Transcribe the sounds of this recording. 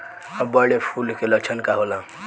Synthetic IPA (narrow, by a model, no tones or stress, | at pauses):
abəɽepʰulkelək̚t͡ʃʰənkaɦolã